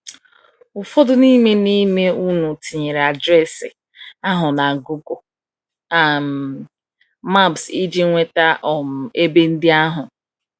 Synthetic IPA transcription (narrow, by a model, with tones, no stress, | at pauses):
ʊ˨fɔ˦dʊ˦ni˦me˦ni˦me˦u˦nu˨ti˨ɲe˨ɾa˨dɾɛ˦˨sɪ˨ | a˦ɦʊ˨na˨ɡu˦ɡo˨ | a˨m˨ | ma˦˨bsi˦d͡ʒi˦ŋʷe˦ta˦ʔɔ˨m̩˨e˦be˦n̩˦dɪ˦a˦ɦʊ˨